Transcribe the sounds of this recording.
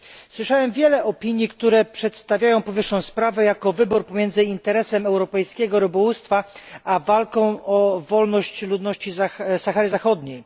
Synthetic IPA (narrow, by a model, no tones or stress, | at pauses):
swɘʂawɛmvʲjɛlɛʔɔpʲiɲjikt̪uɾɛpʂɛt̪st̪avʲjajɔ̃w̃pɔvɘʂːɔ̃w̃spɾavɛjakɔvɘbuɾpɔmʲjɛnd̪zɘint̪ɛɾɛsɛmɛwɾɔpɛjskʲɛɡɔɾɨbɔwust̪faavalkɔ̃w̃ʔɔvɔlnɔɕt͡ɕlud̪nɔɕt͡ɕizasaxaɾɘzaxɔd̪ɲej